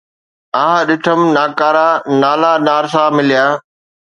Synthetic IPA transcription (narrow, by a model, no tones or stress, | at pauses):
aːɦɗɪʈʰəmnaːkaːɾaːnaːlanaːɾsaːmɪlijaː